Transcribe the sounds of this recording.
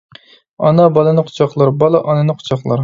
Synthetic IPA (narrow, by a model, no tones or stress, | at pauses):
ɑ̰nɑbɑlˠɨnɨqʰʊ̥t͡ʃʰɑχlˠɑɾbɑlˠɑʔɑnɨnɨqʰʊ̥t͡ʃʰɑχlˠɑ̰ɾ